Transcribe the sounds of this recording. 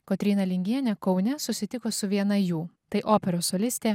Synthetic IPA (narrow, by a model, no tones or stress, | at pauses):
kot̪ʲɾʲiːnɐlʲɪŋʲɡʲiɛnʲɛkɒʊnʲɛsʊsʲɪt̪ʲɪkoːsʊʋʲiɛnɐjuːt̪ɐɪʔoːpʲɛɾoːsoːlʲɪsʲt̪ʲeː